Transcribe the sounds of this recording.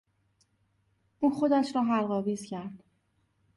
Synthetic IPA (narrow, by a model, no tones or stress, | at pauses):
ʔuːnxo̞d̪æʃɾɒːɦælɣɒːviːz̥cʰæɾd̪̥